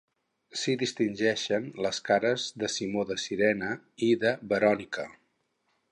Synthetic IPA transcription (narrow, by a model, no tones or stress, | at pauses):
siðist̪inʲʒɛʃənləskaɾəzðəsimoðəsiɾɛnə | iðəβəɾɔnikə